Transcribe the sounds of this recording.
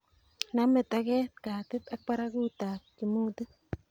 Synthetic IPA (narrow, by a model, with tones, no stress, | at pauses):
name˨t̪aɡeː˦t̪̚kaː˨t̪e˦t̪ak̚pa˦ɾaɡu˦t̪a˨t̚kimu˦t̪ɨ˦